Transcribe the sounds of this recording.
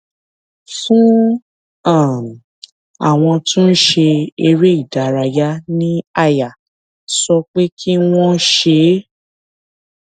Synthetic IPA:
fũ˦ | ã˦˨ | a̰˨w̃ɔ̃˧tũ˦n̩˦ʃe˧e˧ɾe˦i˦˨da˨˦ɾa˧ja˦nĩ˦a˦˧˨ja˨ | sɔ˧k͡pe˦kʰi˦w̃ɔ̃˦ʃe˧˦

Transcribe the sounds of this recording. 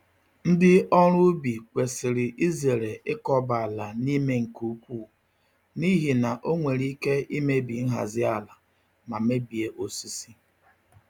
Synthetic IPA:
n̩˦dɪ˦ɔ˦ɾʊ˦bi˨kʷe˨sɪ˨ɾɪ˨ʔi˦ze˨ɾe˨ɪ˦kɔ˦ba˨a˨la˨ni˦me˦ŋ̩˨ku˦u˦kʷu˦˨ | ni˦ɦi˨na˨ʔo˦ŋʷe˨ɾi˦ke˦i˦me˦bi˨n̩˦ɦa̰˨zɪ˦a˨la˨ | ma˨me˦bi˨e˨ʔo˨si˦si˦

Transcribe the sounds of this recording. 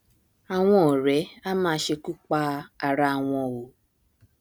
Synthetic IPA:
a˨w̃ʷɔ̃˦˨ɾɛ˨˦a˦mãː˦ʃe˧ku˦k͡pa˦a˨ɾa˦˨wʷɔ̃˨wo˨

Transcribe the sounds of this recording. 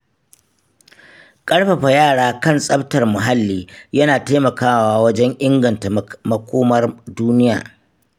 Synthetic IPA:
kʼɐ˦ɽɸa˨ɸa˨jaː˦˨ɽaː˦kɐ˦nsʼɐ˦ɸtɐ˨rmʊ˨ɦa˦lːiː˦jɐ˦naː˨taː˦mɐ˨kaː˦waː˦˨wɐ˦d͡ʒɛ˦ŋʔɪ˦ŋɡɐ˨nta˨mɐ˨˦kʷoː˦mɐ˦rduː˦nɪ˦ja̰ː˨

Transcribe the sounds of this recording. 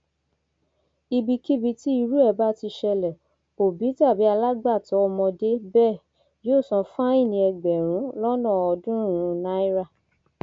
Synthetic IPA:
i˧bi˧ki˦bi˧ti˦i˧ɾu˦ɛ˦˨ba˦ti˧ʃɛ˧lɛ˨ | o˨bi˨˦ta˦˨bi˨˦a˧la˦ɡ͡ba˦˨tɔ˨˦ɔ˧mɔ̃˧de˦bɛ˦˨ | joː˦˨sɔ̃˨˧fã˦i˦˨nĩ˧ɛ˧ɡ͡bɛ˨ɾ̃ũ˨˦lɔ˦nɔ̃˦˨ɔ˧dũ˦˨ũ˧˦nã˦i˦ɾa˦˨

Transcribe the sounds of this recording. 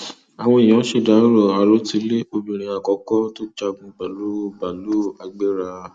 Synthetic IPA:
a˨w̃ɔ̃˦i˨j̃ã˨˦ʃe˦˨da˨˦ɾɔ˨a˨lo˨˦ti˧˦le˦o˧bĩ˨ɾ̃ĩ˨˧a˨kɔ˨˦kɔ˦to˦d͡ʒa˧ɡũ˧ba˨lu˨˦ba˨lu˦a˧ɡ͡be˦ɾa˧

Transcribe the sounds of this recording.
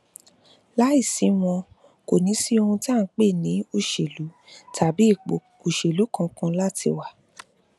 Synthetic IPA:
la˦i˦˨sĩ˨˦w̃ɔ̃˧ | ko˨nĩ˨˦si˦o˧hũ˧ta˦˨˦k͡pe˦˨nĩ˨˦o˦˨ʃe˨lu˨˦ | tʰa˨bi˨˦˨k͡po˨ | o˨ʃe˨lu˨˦kã˧kã˧la˦tḭ˧wa˨

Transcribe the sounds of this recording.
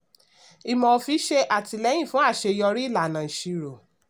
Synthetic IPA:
i˧mɔ̃˧fi˧˦ʃe˧ʔa˦˨ti˧lɛ˨˦j̃ĩ˦˨fũ˦a˦˨ʃe˧jɔ˧ɾi˦˨la˨nã˨i˨ʃi˨˧ɾo˨

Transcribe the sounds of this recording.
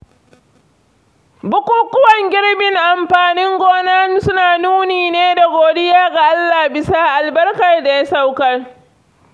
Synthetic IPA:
bʊ˦kʷuː˦kʊ˦wɐ˨ŋɡʲɪ˦ɽbɪ˨ŋʔa˨mɸaː˨nɪ˦ŋɡʷoː˦naː˦n˦sʊ˦naː˨nuː˦niː˨neː˦da˨ɡʷoː˨dɪ˦jaː˦ɡa˨ʔa˦lːaː˨bɪ˦saː˦ʔa˨lbɐ˦rkɐ˨rda˨ja˦sa˦wkɐ˦r

